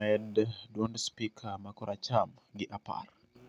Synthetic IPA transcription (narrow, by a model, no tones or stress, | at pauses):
ɛddwondspikʰamakɔɾʔat͡ʃam | ɡɪʔapa̰r